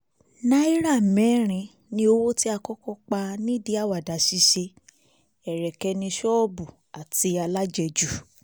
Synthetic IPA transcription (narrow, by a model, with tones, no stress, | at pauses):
nã˦i˦ɾa˦˨mɛ̃˨˦ɾ̃ĩ˨˧ | nĩ˧˦o˧wo˦ti˦a˧kɔ˦kɔ˦k͡pa˧nĩ˦di˨˦a˦˨wa˨da˨ʃi˨˦ʃe˧ | ɛ˨ɾɛ˨kɛ˧nĩ˧ʃɔ˦bu˨ | a˨ti˧a˧la˦d͡ʒɛ˧d͡ʒu˦˨